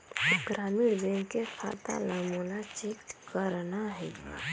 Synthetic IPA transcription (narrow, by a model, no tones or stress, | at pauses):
ʊɡɾaːmizẽŋɡkefʰaɾt̪a̰ləmunat͡ʃekt̪kəɾnaɦɛ